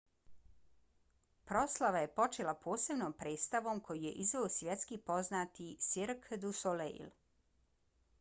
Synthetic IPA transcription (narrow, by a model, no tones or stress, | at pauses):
pɾo̞slˠaʋaje̞po̞t͡ʃeːlapʰo̞ːse̞bnoːmpɾeːt̪st̪aʋo̞mkʰo̞jije̞̰ʔizʋeosʋjet̪skipo̞znaːt̪isiɾkd̪usoleḭl